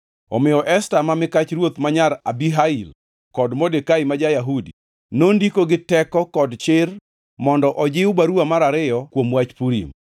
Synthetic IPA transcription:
ɔ̰mɪjɔʔɛstamamɪkat͡ʃɾwot̪maɲaɾabiɦail | kɔdmodekaimad͡ʒajaɦudḭ | nondikoɡɪtɛkɔkɔdt͡ʃɪr | mɔndɔʔɔd͡ʒɪʊbaɾuamaɾaɾɪjɔkwomwat͡ʃpuɾḭm

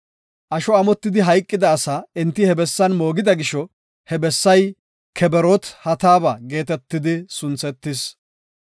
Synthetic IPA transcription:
ʔɐʃɔɐmɔt̪ːɪd̪ɪɦɐjkʼːɪd̪ɐːsaːɪnt̪ːɪhɛbɛsːɐnmo̞ːɡɪd̪ɐɡɪʃɔ | hɛbɛsːɐj | kʰɛbɛɾɔt̪hɐt̪aːbɐɡe̞ːt̪ɛt̪ːɪd̪ɪsʊnt͡sɛt̪ːɪs

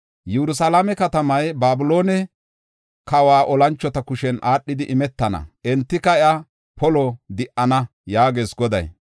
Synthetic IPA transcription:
jɛɾʊs̬alamɛkɐt̪ɐmɐjbaːbʊloːnɛ | kɐwaːʔɔlɐnt͡ʃːɔt̪ɐkʊʃɛnʔaːɗːɪd̪ɪʔɪmɛt̪ːɐnɐ̰ʔɛnt̪ːɪkɐɛɐ | pɔlɔd̪ɪʔɐnɐ | jaːɡeːsɡɔd̪ɐ̰j

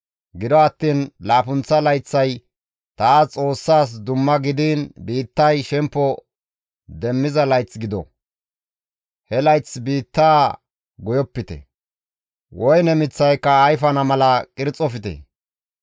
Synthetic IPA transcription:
ɡɪd̪ɔɐt̪ːiːnlaːpʊnt͡sːɐlɐjt͡sːɐj | t̪aːt͡sʼo̞ːsːaːs̬d̪ʊmːɐɡɪd̪iːnbiːt̪ːɐjʃɛmpːɔ | d̪ɛmːɪzɐlɐjt͡sɡɪd̪ɔ̰ | hɛlɐjt͡sbiːt̪ːaː | ɡɔjɔpːɪt̪ɛ̰ | wɔjnɛmɪt͡sːɐjkːɐːjfɐnɐmɐlɐkʼɪɾt͡sʼɔfɪt̪ɛ̰

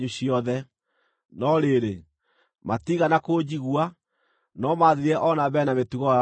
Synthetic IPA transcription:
ɲuɕiɔðɛ | nɔɾeɾe | matiɣanakoːd͡ʑiɣwa | nɔmaðiɾɛʔɔnaβɛnametuɣɔ

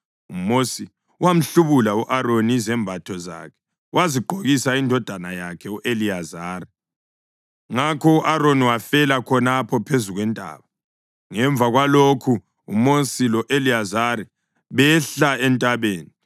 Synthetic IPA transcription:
umosi | uwam̩ɬuβulauʔaɾonizɛmbʱatʰɔza̰kʰɛ̥ | waziɡ͡ǃʱoɣisaindʱɔd̥ʱanajakʰɛuʔeliazaːri | ŋakʰɔuʔaɾoniwafɛlakʰɔnapʰɔpʰezuɣwɛntʼa̰ːβa | ŋɛɱvʱaɣwalokʰu | ṵmosilɔʔeliazaɾi | βɛɬaɛntʼaβeːni

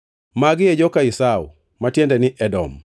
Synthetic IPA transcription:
maɡɪjed͡ʒɔkaisaṵ | matjendɛnɪʔɛdɔ̰m

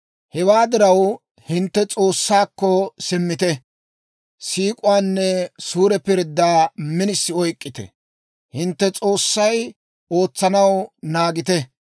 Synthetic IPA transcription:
hɛwaːd̪ɪɾɐw | hɪnt̪ːɛt͡sʼo̞ːsːaːkːɔsɪmːɪt̪ɛ | siːkʼʊwaːnːɛsuːɾɛpɪɾd̪ːaːmɪnɪsːɪɔjkʼːɪt̪ɛ̰ | hɪnt̪ːɛt͡sʼoːsːɐj | o̞ːt͡sːɐnɐwnaːɡɪt̪ɛ

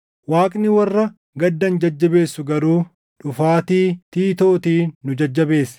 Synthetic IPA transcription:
waːkʼnɪwɐrːɐ | ɡɐd̪ːɐnd͡ʒɐd͡ʒːɐbe̞ːsːʊɡɐɾuː | ᶑʊfaːt̪iːt̪iːt̪oːt̪iːʊd͡ʒɐd͡ʒːɐbeːsː

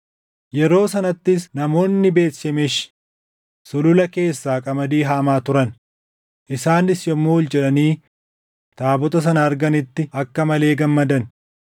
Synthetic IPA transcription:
jɛɾo̞ːsɐnɐt̪ːɪsnɐmo̞ːnːɪbe̞ːsɛmeʃ | sʊlʊlɐke̞ːsːaːkʼɐmɐd̪iːɦaːmaːt̪ʊɾɐn | ʔɪsaːnɪsjɔmːoːwɔld͡ʒɛᶑɐniː | t̪aːbɔt̪ɐs̬ɐnɐːɾɡɐnɪt̪ːɪɐkːɐmɐle̞ːɡɐmːɐd̪ɐn

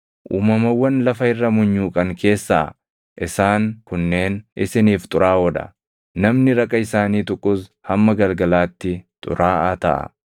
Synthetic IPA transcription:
ʔuːmɐmɐwːɐnlɐfɐɪrːɐmʊɲːuːkʼɐŋkʰe̞ːsːɐ | ʔɪsaːŋkʊnːe̞ːnʔɪsɪniːft̪ʼʊɾaːwɔᶑɐ̰ | nɐmnɪɾɐkʼːɐɪsaːniːt̪ʊkʼːʊshɐmːɐɡɐlɡɐlaːt̪ːɪt̪ʼʊ̰ɾaːʔɐt̪ɐ̰ʔɐ̰

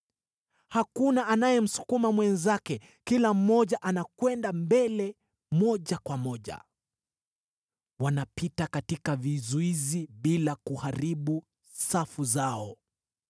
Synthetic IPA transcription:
hakunaʔanajɛm̩su̥kumamwɛnzakɛ | kilam̩mɔʄaʔanakwɛndambɛlɛ | mɔʄakwamɔʄa̰ | wanapitakatikavizuiziɓilakuhaɾiɓu | safuzaɔ

